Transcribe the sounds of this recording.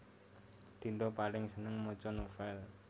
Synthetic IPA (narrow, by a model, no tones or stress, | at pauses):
d̪̥i̤nd̪opalɪŋsənəŋmot͡ʃɔnofɛl